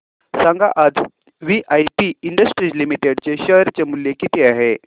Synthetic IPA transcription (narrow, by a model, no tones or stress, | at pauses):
sãŋɡa̰ʔad͡z | ʋiʔajpiiɳɖəsʈɾid͡ʑlimiʈeɽt͡ɕeɕəɦɾt͡ɕemuljekit̪eaɦe